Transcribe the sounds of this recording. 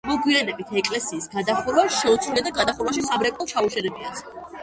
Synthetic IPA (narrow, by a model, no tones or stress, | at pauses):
mɔɡwianɛbit̪ʰɛkʼlɛsiːsɡad̪aχuɾwaʃɛut̪sʰwilɛd̪aɡad̪aχuɾwaʃ̬isabɾɛkʼɔlˠt͡ʃʰauʃɛlɛbians